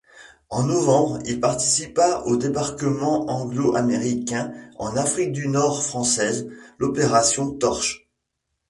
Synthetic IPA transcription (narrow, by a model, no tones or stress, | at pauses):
ɑ̃nɔvɑ̃bʁilpaʁt̪isipaʔod̪ebaʁkəmɑ̃ɑ̃ɡloʔameʁikʲɛ̃ɑ̰̃nafχik̚d̪ynɔʁfχɑ̃sɛzlɔpeʁasjɔ̃t̪ɔʁʃ